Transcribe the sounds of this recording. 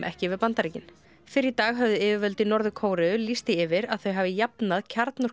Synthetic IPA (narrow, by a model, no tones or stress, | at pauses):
ʔɛ̰hcɪvɪðpant̪aɾicɪn | fɪɾɪt̪aːɣɦœvðʏɪːvɪvœlt̪ɪnɔɾðʏkʰoːwɾɪlist̪ɪɪvɪɾaðθœɥɦaːvɪjapnaðcʰaɾt̪nʏ